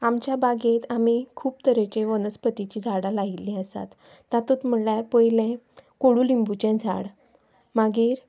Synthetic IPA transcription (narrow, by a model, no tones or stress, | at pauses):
amt͡ɕjabaɡet̪amikʰuːpt̪əɾet͡ɕeʋənəspət̪it͡ɕiːd͡zʱaɽalaɦilĩəsa̰t̪ː | at̪ut̪m̤əljaɾpəjilẽ | koɽuːlimbut͡ɕɛ̃d͡zʱa̰ɽ | maɡiːɾ